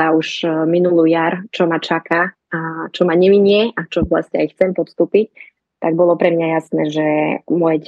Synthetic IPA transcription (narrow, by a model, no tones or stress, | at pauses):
auʒminulujaɾt͡ʃɔmat͡ʃaka | at͡ʃɔmaɲɛʋiɲɪɛʔat͡ʃɔbla̰scɛajxt͡sɛmpɔt̪st̪uːpic̚ | t̪aɡ̚bɔlɔpɾɛmɲajasnɛːʒɛmɔjɛc